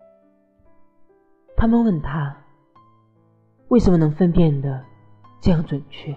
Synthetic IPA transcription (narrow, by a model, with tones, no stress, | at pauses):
t̪ʰa˥mə˨nwə˥˩nt̪ʰa˥ | we˥˩ɪʂə˧˥mə˧nɤ˧˥ŋfə˦˥npjɛ˥˩nd̪ə˩ | ʈ͡ʂɤ˥˧jɑ˥˩ŋt͡swə˨˩nt͡ɕʰɥɛ˥˦